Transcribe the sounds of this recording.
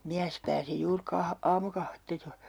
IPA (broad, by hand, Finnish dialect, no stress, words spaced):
miæs pæːsi juːr kɑ ɑːmukɑhʋetːɑ joi